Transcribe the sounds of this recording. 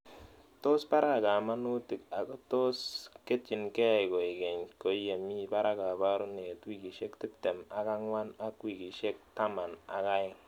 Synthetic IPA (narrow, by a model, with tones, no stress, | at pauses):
to˦spa˦ɾa˦˨ka˨ma˦nu˦ti˨ka˨ko˦to˦ske˦t͡ʃi˨nke˦˨ɪ˨ko˨ɪ˨ke˨ɲko˨˦je˨mi˦˨pa˦ɾa˦ka˨pa˦ɾu˦ne˨twi˦˨ki˨ʃe˦kti˦te˨ma˨ka˦ŋwa˦na˦kwi˨ki˨ʃe˦k̚ta˦ma˨na̰˨ka˦ɪ˦